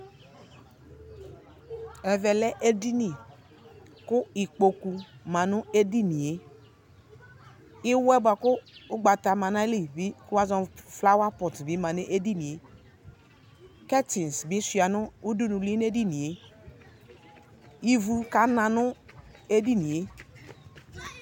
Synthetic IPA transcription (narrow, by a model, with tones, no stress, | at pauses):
ɛ˨vɛ˨lɛ˦ʔe˦di˦ni˨ | kʊ˦i˨k͡po˨ku˨mã˨nʊ˦e˦di˦ni˨e˨ | i˦wɛ˦ba˨kʊ˦u˦ɡ͡ba˨ta˨ma˨na˦li˨bi˦ku˦a˦zɔ̃˨fla˦wa˦pɔ˨tbi˨˦mã˨ni˦ʔe˦di˦ni˨e˨˦ | kɛ˦ti˨n˨sbi˨˦su˨a˨nʊ˦u˦du˦nu˨li˦n˦e˦di˦ni˨e˦ | i˨vu˨ka˨˦nã˨nʊ˦ | e˦di˦ni˨e˨˦